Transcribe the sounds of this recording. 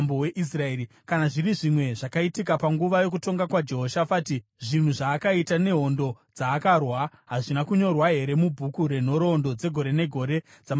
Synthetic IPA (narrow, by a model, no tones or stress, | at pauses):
mboweʔis̬raeːɾi | kanaʐiriʐimwe̞ʐakaitikapaŋɡuʋajo̞k̬uto̞ŋɡakwad͡ʒe̞ɦo̞ʃafatiʐin̤uʐaːkaitane̞ɦo̞ndo̞d͡zaːkarwa | ɦaʐinakuɲo̞rwaɦe̞ɾe̞mubʱukuɾe̞n̤o̞ɾo̞ndo̞d͡ze̞ɡʱo̞ɾe̞ne̞ɡʱo̞ɾe̞ | d͡zam